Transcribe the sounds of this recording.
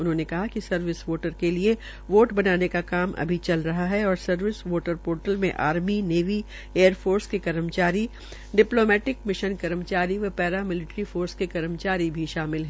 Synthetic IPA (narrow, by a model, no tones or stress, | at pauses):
ʊnɦõːnekɐɦakisɐɾʋɪsʋoːʈəɾkelie | ʋoːʈbɐnaːnekakaːmʔɐ̰bʱit͡ʃɐlɾɐɦaɦɛɔːɾsɐɾʋɪsʋoːʈəɾpoːɾʈəlmḛ̃ʔa̰ːɾmineːʋi | eːəɾfʰoːɾskekɐɾəmt͡ʃaːɾi | ɖɪploːmɛːʈɪkmɪʃənkɐɾəmt͡ʃaːɾiʋɐpɛːɾamɪlɪʈɾifoːɾskekɐɾəmt͡ʃaːɾibʱiʃaːmɪlɦɛː